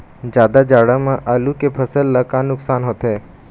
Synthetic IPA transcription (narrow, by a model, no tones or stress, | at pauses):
d͡ʒjaːd̪ad͡ʒaːɽamãʔaːlukepʰəsəlːakaːnʊksaːnɦoːt̪ɦeː